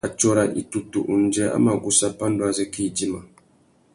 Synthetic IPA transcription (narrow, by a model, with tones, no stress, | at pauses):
a˨t͡ʃɔ˦ɾa˨ʔḭ˨tu˨tu˨ʔu˨n˨˦d͡ʒɛ˦a̰˦ma˨ɡu˦sa˦pa˦n˦du˦a˨zɛ˦ki˦˨d͡ʒi˦ma˨